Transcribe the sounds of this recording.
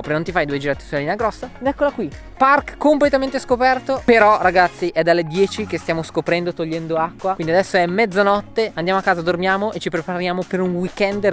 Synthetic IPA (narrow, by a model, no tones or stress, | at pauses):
pɾenõnt̪ifajd̪ued͡ʒiɾat̪ːe̥sulalinaɡɾɔsːad̪ɛkːolakwi | parkːomplet̪ament̪eskopɛrt̪opeɾɔraɡat̪sːiʔɛd̪alːed̪jɛːt͡ʃikest̪jaːmoskopɾɛnd̪ot̪oʎːɛnd̪oakːwakwind̪iad̪ɛsːoɛmːɛd̪zanɔt̪ːeand̪jaːmoakːaːzad̪ormjaːmoʔet͡ʃːipɾepaɾjaːmopeɾunwikɛnd̪